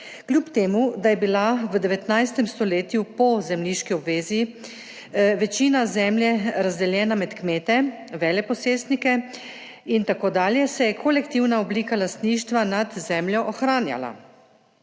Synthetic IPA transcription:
klʲjupt̪eːmud̪ajɛbilaʋəd̪ɛʋɛt̪najst̪ɛmst̪ɔleːt̪jupɔzɛmliːʃkiɔbʋeːzi | ʋɛt͡ʃiːnazɛːmljɛɾazd̪ɛljɛːnamɛt̪kmeːt̪ɛ | ʋɛːlɛpɔseːst̪nikɛ | int̪akoːd̪aːljɛsɛjɛkʰolɛkt̪iwnaɔbliːkalast̪niːʃt̪ʋanad̪zɛːmljɔʔɔxɾaːnja̰la̰

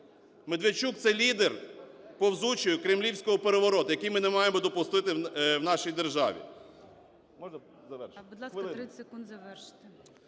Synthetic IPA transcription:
med̪ʋet͡ʃuk̚t̪sɛlʲid̪erpɔwzut͡ʃɪjʊkɾemlʲiwsʲkɔɦɔpeɾeʋɔɾɔt̪ʊjɐkijmɪnemɑjemɔd̪ɔpʊst̪ɪt̪ɪwnɑʃijd̪erʒɑ̰ʋʲḭ | mɔʒnɐ | zɐʋɛrbud̪lˠasˠɾɪsɪkund̪zɐʋɛrʃt̪ɪ

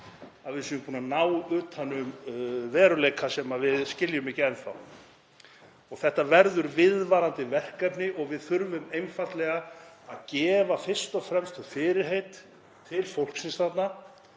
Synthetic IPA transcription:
aðvɪsʏʏpʰuːnanaːwʏːt̪ʰanʏmvɛːɾʏleːjkʰasɛmavɪðscɪljʏmɪcɛnθa̰w | ɔɣθɛht̪avɛɾðʏɾvɪðvaːɾant̪ɪvɛr̥kɛpnɪʔɔɣvɪðθʏɾvʏmejmfat̪lɛɣaaðcɛːvafɪr̥st̪ɔfɾɛmst̪fɪːɾɪɾɦejt̪ʰː | ɪlfowl̥ksɛnsθat̪na

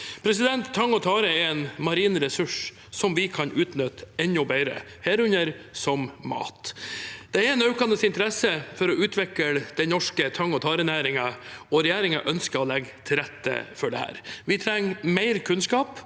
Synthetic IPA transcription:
pʰɾɛs̬ɪd̪ɛnt̪ʰːɑŋːɔt̪ʰɑːɾəɛɾɛnmɑɾiːnɾɛsʉʂ | sɔmʋɪkʰɑnʔʉːt̪nœt̪ɛnɔbeɪɾə̰ | heːɾʉɲəɾsɔmːɑ̰ːt̪d̪̥ɛæɾɛnɑʉkɑnəsɪnt̪əɾɛsəfɔɾɔʔʉːt̪ʰʋɛkəld̪̥ɛɪnɔʂkət̪ʰɑŋːɔt̪ʰɑːɾənæːɾɪŋɑɔɾɛjeːɾɪŋɑ̰ʔœnskəɔlɛɡt̪ʰɪlɾɛt̪ːə̰fɔɖɛ̰hæ̰ːɾʋɪt̪ʰɾɛŋmæɪɾkʰʉnskɑːp

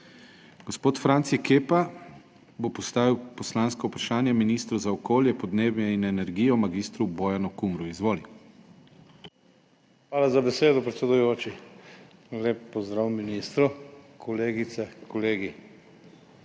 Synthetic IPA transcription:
ɡ̥ospoːt̪fɾant̪sikeːpa | bopɔst̪aːʋiwpɔslanskaupɾaʃaːnjaminiːst̪ɾuzaɔkoːljɛpɔd̪neːbjɛinɛnɛɾɡiːjɔmaɡist̪ɾubɔːjanukumɾuizʋoːli | xʋaːlazabɛseːd̪ɔpɾɛt̪sɛd̪ujoːt͡ʃi | leːpːɔzd̪ɾawminist̪ɾukʰɔleːɡit̪sɛkɔleːɡi

